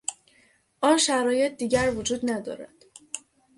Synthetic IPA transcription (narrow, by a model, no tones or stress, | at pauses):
ʔɒːnʃæɾɒːje̞t̪̚d̪iːɟæɾvod͡ʒuːd̪næd̪ɒ̰ːɾæ̰d̪̥